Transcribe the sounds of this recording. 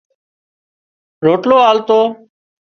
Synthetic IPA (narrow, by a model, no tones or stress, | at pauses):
ɾoːʈloːaːlt̪oː